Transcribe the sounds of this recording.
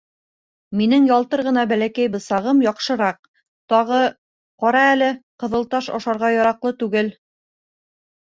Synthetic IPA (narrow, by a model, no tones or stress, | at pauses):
minɘŋjɒlˠt̪ɤɾʁɤ̆nɑbælækæjbɤ̆sɑʁɤmjɒqʃɤ̆ɾɑq̚ | t̪ɑʁɤ | qɒɾɑælɘqɤ̆ðɤ̆lˠt̪ɑʃɑ̰ʃɑɾʁɑjɒɾɑqlˠɤt̪ʉɡɘl